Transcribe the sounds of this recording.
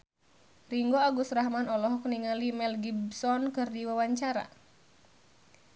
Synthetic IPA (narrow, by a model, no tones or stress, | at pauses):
riŋɡoaɡusrahmanɔlɔɦɔkniŋalimɛlɡibsɔnkɨrdiwawaɲt͡ʃaɾa̰